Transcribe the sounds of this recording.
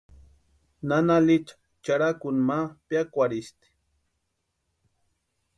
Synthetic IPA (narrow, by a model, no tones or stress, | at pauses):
nanalit͡ʃḁ | t͡ʃaɾakʊnmapjakʷaɾist̪i̥